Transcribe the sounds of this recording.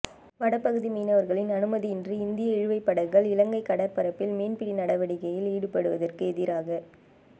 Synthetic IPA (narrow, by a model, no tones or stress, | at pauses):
ʋɐɽɐpːɐɣɯðimiːnɐʋɐɾɣɐɭɪnɐnɯmɐðiɪndriɪnd̪ɪjɐɛɻɯʋɐɪpːɐɽɐŋɣɐɭɪlɐŋɡɐɪkːɐɽɐɾpɐɾɐpːɪlmiːnpɪɽinɐɽɐʋɐɽɪɣɐjɪliːɽɯpɐɽɯʋɐðɐrkɯɛðɪɾaːɣɐ